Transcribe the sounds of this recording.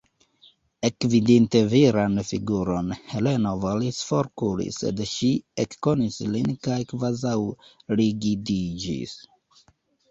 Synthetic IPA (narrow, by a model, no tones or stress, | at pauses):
ekvidinte̞viɾanfiɡuɾo̞nhe̞le̞no̞volisfoɾkulḭse̞̰dʃiekːo̞nislinkajkvazawliɡidid͡ʒḭs